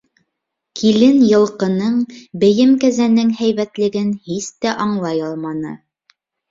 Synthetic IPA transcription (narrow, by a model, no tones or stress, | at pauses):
kʰilɘnjɤ̆lˠqɤ̆nɤɴbɘ̆jɘmkæzænɘŋhæjβæt̪lɘ̆ɡɘnhist̪æʔɑɴlˠɑjɑlˠmɑnɤ̰